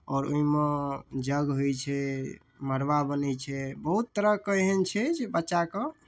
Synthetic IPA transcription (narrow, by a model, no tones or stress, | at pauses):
ɔːɾoimẽd͡ʒəɡɦojt͡ʃʰɛ | məɾbabənɛt͡ʃʰɛbəɦut̪ːəɾəkəjɦent͡ʃʰɛd͡ʒbətːʃakɔ̃